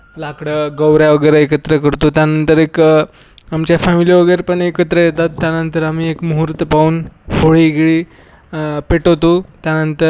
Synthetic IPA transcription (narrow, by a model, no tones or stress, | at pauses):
lakɽəɡəwɾjaʋəɡəjɾəekət̪ɾəkəɾt̪ot̪janənt̪əɾek | amt͡ɕjafamiliʋəɡəjɾepəɳekət̪ɾəjet̪at̪ːjanənt̪əɾam̤iːekmuɦuɾt̪əpauːnhoɭiɡɭi | peʈot̪ot̪janənt̪ə